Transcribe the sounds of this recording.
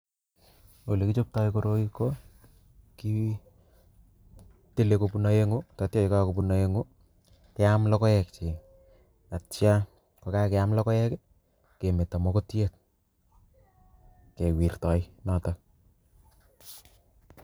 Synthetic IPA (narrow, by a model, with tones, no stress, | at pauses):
o˨le˨kit͡ʃo˦p̚ta˦jkoɾoki˦ko˦ | ki˦ | te˦leko˨puna˦je˦ŋo˦tɔ˨tjɔ˦ɪkakopunaje˦ŋo˦ | kɛ˦amlɔ˦kɔ˦jɛ˨k̚t͡ʃi˨ | a˨tja˦ | kokakeamlɔkɔ˦jɛ˦k | ke˨me˨ta˨mɔ˦ko˦tjek̚ | ke˨wi˨rtɔ˨jnata